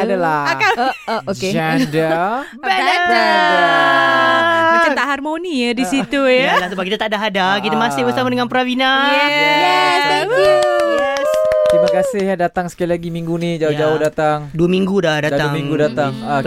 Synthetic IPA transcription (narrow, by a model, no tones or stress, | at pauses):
adalaaokeadə | bɛa | bakat̪aʔɦarmonijadisit̪ujalahsubak̬it̪at̪adaɦadakit̪amasɪhbərsamadəŋanpəɾawina | st̪imakasɪhjadat̪aŋsə̥kalilaɡimiŋɡunɪhd͡ʒaʊd͡ʒaʊhdat̪aŋduamiŋɡudadat̪aiŋŋɡudat̪aŋa